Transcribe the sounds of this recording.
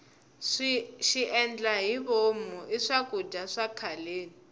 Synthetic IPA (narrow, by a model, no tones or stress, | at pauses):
ʃiʔɛnd͡ɮaɦiβomɔʔiʂakʼud͡ʒaʂakʰaleːni